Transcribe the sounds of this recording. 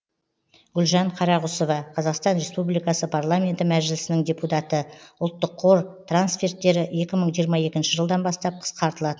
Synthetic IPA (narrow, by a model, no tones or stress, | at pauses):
ɡʲʏlʒɑɴqʰɑɾɑʁʊsovɑqʰɑzɑqst̪ɑnɾe̞spublijkɑsəpʰarlˠamʲe̞nt̪ɪmæʒɪlɪsɪnɪŋd̪ʲe̞put̪ɑt̪əʊlˠt̪ːəqʰːoɾt̪ʰransfʲe̞rt̪ːe̞ɾɪe̞kʲɪməɴʒijəɾmɑje̞kʲɪnʃɪʒəlˠd̪ɑnbɑst̪ɑp̚qʰə̥sqʰɑɾt̪əlˠɑd̪ə